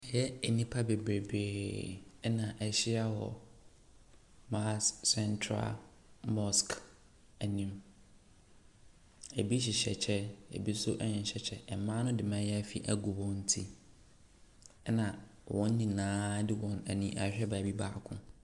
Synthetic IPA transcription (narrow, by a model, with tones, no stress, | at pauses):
jɛ˦ɛ˨nĩ˦pʰa˦be˨bɾe˨beː˨˦ | nã˨ʔɛ˨ɕɪ˦a˦wɔ̰˨ | ma˦sɛ˦ntʰɾa̰˦˨l | mɔ˦sk | æ˨nĩ˦m | e˨bi˦ɕ̬i˨ɕɛ̰˨t͡ɕʰɛ˦ḛ˨bi˦sʊ˦ʔɛ˦ɲɪ̃˨nɕɛ˨t͡ɕʰɛ˦ʔɛ˨˦mã˦nʊ̃˦dɪ˨mã˦jɛ˦fi˨ʔæ˦ɡu˨wɔ̃˦n̩˦tʰi˦ | ɛ˦nã˨wʔɔ̃˦n˦nĩ˨nãː˦dɪ˦wɔ̃˦n˨æ˨nĩ˦ʔa̰˨ɕᶣɛ˦ba˨bi˦ba̰ː˨kʰʊ̰̃˦